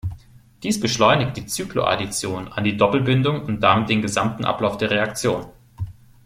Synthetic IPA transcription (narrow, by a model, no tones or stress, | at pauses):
d̥iːsb̥əʃlɔʏnɪkt̚d̥iːt͡syːklo̰ʔa̰dit͡sjoːnandiːdɔpl̩bɪndʊŋʊnt̚d̥amɪt̚d̥eːnɡəzamtn̩ʔa̰plaʊfd̥eːɐʁeakt͡sjoːn